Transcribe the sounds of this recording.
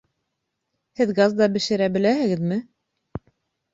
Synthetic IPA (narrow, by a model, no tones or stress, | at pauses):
hɘðɡɑzd̪ɑbɘ̆ʃɘ̆ɾæbɘ̆læhɘ̆ɡɘðmɘ